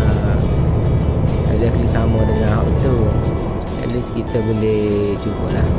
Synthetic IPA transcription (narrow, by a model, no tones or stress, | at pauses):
ə | ɛ̰zaklisamədəŋãnɦawit̪u | ɛ̰ʔliskit̪əboleht͡ʃukuʔlah